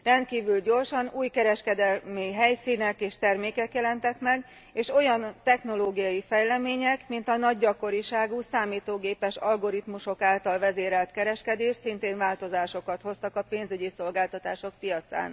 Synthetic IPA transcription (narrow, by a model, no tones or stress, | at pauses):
rɛnt̪̚kiːvylɟo̞rʃɒnuːjkɛɾɛʃkɛd̪ɛlmiɦɛjsiːnɛkeːʃt̪ɛrmeːkɛkjɛlɛnt̪ɛkmɛɡ | eːʃo̞jɒnt̪ɛxno̞loːɡijɒjifɛjlɛmeːɲɛkmint̪ɒnɒɟːɒko̞ɾiʃaːɡusaːmiːt̪oːɡeːpɛʃɒlɡo̞ɾit̪muʃo̞kaːlt̪ɒlvɛzeːɾɛlt̪kɛɾɛʃkɛd̪eːʃsint̪eːnvaːlt̪o̞zaːʃo̞kɒt̪ho̞st̪ɒkɒpeːnzyɟiso̞lɡaːlt̪ɒt̪aːʃo̞k̚pijɒt̪sa̰ːn